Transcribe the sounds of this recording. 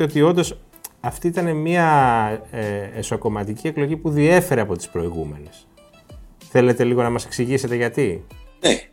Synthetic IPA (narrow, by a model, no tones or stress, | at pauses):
eo̞t̪io̞nd̪o̞s | ɐft̪iit̪ɐne̞miɐ | eesoko̞mɐt̪icie̞klo̞ʝipuðie̞fe̞ɾeɐpo̞t̪i̥spɾo̞iɣume̞ne̞s | θe̞le̞t̪e̞liɣo̞nɐmɐse̞ksiʝise̞t̪e̞ʝɐt̪ie